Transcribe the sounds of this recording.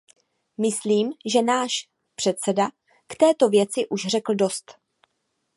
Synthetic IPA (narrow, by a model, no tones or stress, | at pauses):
mɪsliːmʒɛnaːʃ | pr̥ɛt̪sɛda | kt̪ɛːt̪o̞vjɛt͡sɪʔuʃr̝ɛkl̩do̞st̪